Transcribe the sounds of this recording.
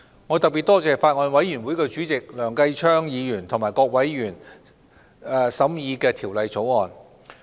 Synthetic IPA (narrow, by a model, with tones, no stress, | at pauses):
ŋɔː˨˧t̪ɐ˨k̚piː˨t̚t̪ɔː˥t͡sɛː˨˩faː˧t̚ŋɔː˧nwɐ˨˥jyː˨˩nwu˨˥jkɛ˧t͡ʃyː˨˥t͡sɪ˨k̚lœː˨˩ŋkɐ˧jt͡ʃʰœː˥ŋjiː˨˧jyː˨˩nt̪ʰʊ˨˩ŋmaː˨˩jkɔː˧k̚wɐ˨˥jːyː˨˩n˨˧ | sɐ˨˥mjiː˨˧kɛː˧t̪ʰiː˨˩wlɐ˨jt͡so˨˥wŋɔː˨˧n